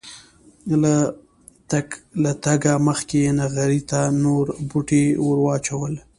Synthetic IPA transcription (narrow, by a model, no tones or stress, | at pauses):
la | alat̪aɡaməxkejenaɣaɾit̪anoɾbuʈewəɾwɑt͡ʃawəl